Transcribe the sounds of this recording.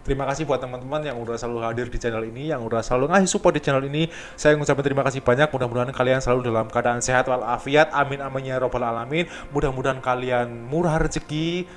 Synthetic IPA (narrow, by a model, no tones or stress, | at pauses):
əɾimakasɪhbuat̪ːəmant̪əmanjaŋudahsəlaluɦadɪrdit͡ʃɛnɛlinijaŋudahsəlaluŋaɦisupadit͡ʃɛnɛlini | sajaŋut͡ʃapɛnt̪əɾimakasɪhb̥aɲak̚mudahmudaɦankaliansəlaludalamkəadaʔanseɦat̪walafiat̪̚amɪnamaɲaɾobalalamɪn | mudahmudaɦankalianmuɾard͡ʒəɡi